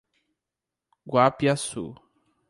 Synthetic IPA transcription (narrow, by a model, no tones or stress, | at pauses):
ɡwapiasṵ